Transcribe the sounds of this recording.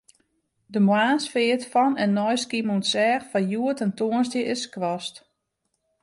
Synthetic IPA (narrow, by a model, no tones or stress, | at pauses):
dəmwaːnsfɪətfɔnɛnːɔjskimunsɛːxfajuətɛntoːənsdjəʔɪskʋɔst